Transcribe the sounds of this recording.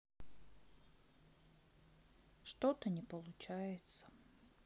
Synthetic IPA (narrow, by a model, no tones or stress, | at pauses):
ʂt̪ot̪ənʲɪpəlˠʊt͡ɕæjɪt̪sə̥